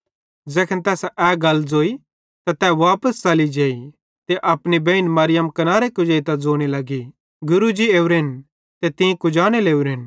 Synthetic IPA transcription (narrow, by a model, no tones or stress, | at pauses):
d͡zɛːkʰənt̪ɛːsɛːɡɐld͡zoːi | t̪at̪ɛːʋaːpəst͡ʃɐlid͡ʒeːi | t̪eʔɐpnibẽɪnmɐɾɪjəmkɐnaːɾekʊd͡ʒeːit̪ɐd͡zoːɽ̃ilɐɡi | ɡʊɾud͡ʒieːuɾɪn | t̪et̪ĩkʊd͡ʒaːɽ̃eleːuɾɪn